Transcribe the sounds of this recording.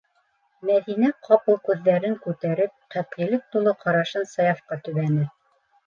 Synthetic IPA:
mæðinæqʰɑpɤlˠkʉðːæɾɘŋkʉt̪æɾɘp̚qæp̪̚qilɘk̚t̪ulˠɤqɑɾɑʃɤnsɑjɑfqɑt̪ɵ̆βænɘ

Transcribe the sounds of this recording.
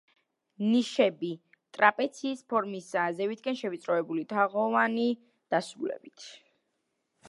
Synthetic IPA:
niʃɛbi | t̪ʼɾapʼɛt̪sʰiːspʰɔɾmisazɛvit̪ʰkʼɛnʃɛvit̪sʼɾɔɛbulit̪ʰaʁɔvani | d̪̥asulɛ̰bit̪ʰ

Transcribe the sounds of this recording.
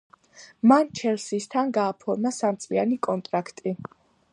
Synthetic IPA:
mant͡ʃʰɛlsist̪ʰanɡaːpʰɔɾmasamt̪sʼianikʼɔnt̪ʼɾakʰt̪ʼi

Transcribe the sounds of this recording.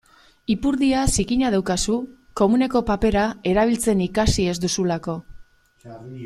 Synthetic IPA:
ipuɾðiasikiɲaðawkasu | ko̞mune̞ko̞pape̞ɾae̞ɾaβ̞ilt͡se̞nikasie̞zd̪usulako̞

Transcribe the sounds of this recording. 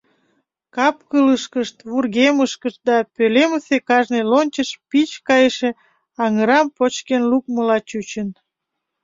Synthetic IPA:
kɑpkələʃkəʃt̪βurɣeməʃkəʃt̪̚d̪ɑpøleməsekɑʒnelonʲt͡ɕəʃpit͡ɕkɑjeʃe | ɑŋəɾɑmpot͡ɕkenluk̚məlɑt͡ɕut͡ɕən

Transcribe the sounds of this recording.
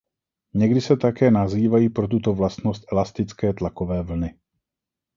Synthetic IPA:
ɲɛɡdɪsɛt̪akɛːnaziːvajiːpɾot̪̬ut̪o̞vlast̪nost̪ʔɛlast̪ɪt͡skɛːt̪lakovɛːvl̩nɪ

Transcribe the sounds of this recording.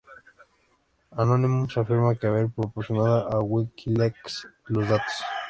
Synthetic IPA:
anonimusafiɾmakeaβeɾpɾopoɾsjonaðaʔawikʰilekslozðat̪o̥s

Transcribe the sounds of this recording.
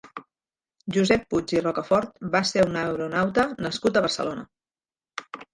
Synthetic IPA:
ʒuzɛpːud͡ʒirɔkəfɔɾt̪̚baseunəwɾunawt̪ənəskut̪əβərsə̰lonə̰

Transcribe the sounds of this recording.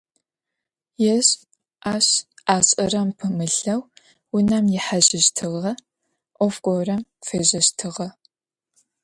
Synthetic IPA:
jɛɕ | ʔaːɕʔaːɕʼɐrɐmpʰɨmɨɬɐw | wʊnɐmjɪħaʑɪɕtʰɨʁɐ | ʔʷɔfkʷʼɔwrɐmfeːʑɐɕtʰɨʁɐ

